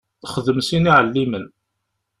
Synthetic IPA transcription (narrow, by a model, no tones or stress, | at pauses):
χəðəmsiniʕəlːimən